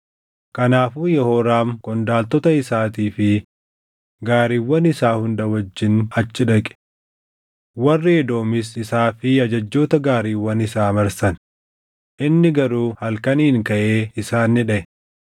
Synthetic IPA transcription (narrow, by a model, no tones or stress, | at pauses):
kɐnaːfuːjɛhoːɾaːmkɔnd̪aːlt̪ɔt̪ɐɪsaːt̪iːfɪ | ɡaːɾiːwːɐnɪsaːhʊnd̪ɐwɐd͡ʒːɪnɐt͡ʃːɪᶑɐkʼɛ̥ | wɐrːɪɛd̪o̞ːmɪsɪsaːfɪɐd͡ʒɐd͡ʒːo̞ːt̪ɐɡaːɾiːwːɐnɪsaːmɐɾsɐn | ʔɪnːɪɡɐɾuːhɐlkɐniːŋkɐʔeːɪsaːnːɪᶑɐʔɛ